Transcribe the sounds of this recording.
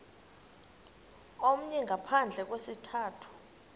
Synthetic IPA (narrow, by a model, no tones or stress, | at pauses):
om̩ɲɛŋɡʱapʰand͡ɮʱɛk̬wesitʰaːtʰu̥